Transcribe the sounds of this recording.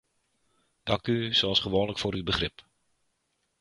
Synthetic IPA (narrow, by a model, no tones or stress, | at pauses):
d̥ɑkysoɔsχəʋoːnləkfoːɾybəχrɪp